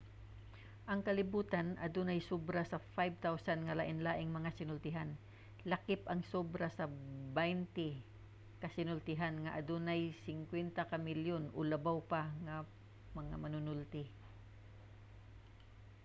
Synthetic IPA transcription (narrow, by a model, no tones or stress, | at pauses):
ʔɐŋkɐlɪbuːt̪anʔɐ̰d̪onɐjsobɾasɐfajb̚t̪awsanŋɐlaʔɪnlaːʔɪŋmɐŋasɪnʊlt̪ɪɦan | lɐkɪpʔɐŋsoːbɾasɐbajnt̪ɪ | kɐsɪnʊlt̪ɪɦanŋɐʔɐd̪onajsɪŋkwɛnt̪akɐmɪljonʔolɐbawpaŋɐ | mɐŋa̰mɐnʊnʊlt̪ɪ